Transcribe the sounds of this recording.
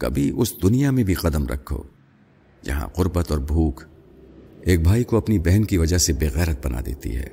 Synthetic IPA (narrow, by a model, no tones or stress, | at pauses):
kɐ̰bʱiʔʊsd̪ʊnijamẽbʱiqɐd̪əmɾɐ̰kʰːo̰ː | d͡ʒɐ̰ɦã̰qʊɾbət̪ɔːɾbʱuːkʰ | eːk̚bʱaːikoɐpnibɛɦɛnkiʋɐd͡ʒaɦsebeːɣɛːɾət̪̚bɐnʔa̰d̪ḛːt̪ḭɦɛ̰ː